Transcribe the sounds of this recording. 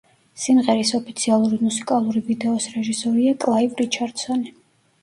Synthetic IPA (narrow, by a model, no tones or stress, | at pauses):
simʁɛɾisɔpʰi̥t̪sʰialˠuɾimusi̥kʼalˠuɾivid̪ɛɔsɾɛʒisɔɾiakʼlˠaivɾit͡ʃʰaɾd̪̥sɔni